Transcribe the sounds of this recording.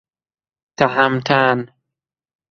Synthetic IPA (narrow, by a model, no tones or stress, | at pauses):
t̪aɦamt̪ʰan